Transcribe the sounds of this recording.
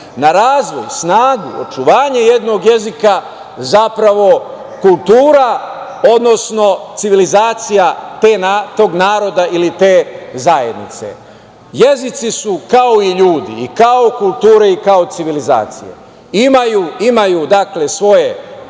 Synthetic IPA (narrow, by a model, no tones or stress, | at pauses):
naɾaːzʋo̞jsnaːɡuo̰t͡ʃuʋaːɲeje̞d̪no̞ɡje̞zika | zapɾaʋo̞ | kulˠt̪uːɾao̞d̪no̞sno̞t̪siʋilizaːt̪sijat̪e̞ːnat̪o̞ːɡnaːɾo̞d̪aʔilit̪e̞ːzaje̞d̪nḭt̪sḛ | je̞zit̪sisukao̞iʎuːd̪ḭːkao̞kulˠt̪uːɾe̞ikao̞t̪siʋiliza̰ːt̪sḭje̞̰ | imajuimajud̪akle̞sʋo̞je̞